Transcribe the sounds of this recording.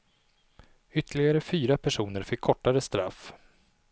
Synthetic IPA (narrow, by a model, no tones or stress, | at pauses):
ʏt̪ʰːəlɪɡaɾəfyːɾapʰæʂuːnəɾfɪkʰːɔʈːaɾəst̪ɾa̰f